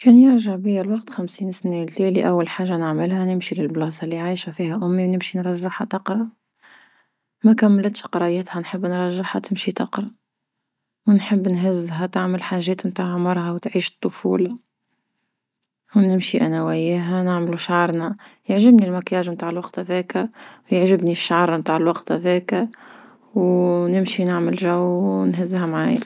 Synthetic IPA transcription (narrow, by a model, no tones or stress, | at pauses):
kɛːnjɪɾʒaʕbijælwɑqt̪xæmsiːnsnilt̪ɛːliʔæwːælħaːʒːanɪʕmɪlhænɪmʃilɪlblɑːsˤɑlːiʕiːʃæfiːhæʔʊmːiwnɪmʃinɾˤɑʒːɪħhat̪ɑqɾˤɑ | mækæmːlət̪ʃqɑɾˤɑjət̪hænħəbːnɾˤɑʒːɪħhat̪ɪmʃit̪ɑqɾˤɑ | wnħəbːnɦɪzːɦæt̪ɪʕməlħaːʒːɛːt̪mt̪aːʕmɑɾˤɦawt̪ʕiːʃt̪ˤːʊfṵːl | wnɪmʃiʔænæwæjæɦænɪʕmluʃʕɑɾˤnæjəʕʒɪbnilmækjaːʒmt̪aːʕəlwɑqt̪hæðɛːkæwjəʕʒɪbniʃːaʕɑɾˤmt̪aːʕɪlwɑqt̪hæðɛːkæ | wnɪmʃinɪʕməlʒæwːnɦɪzːɦæmʕa̰ːja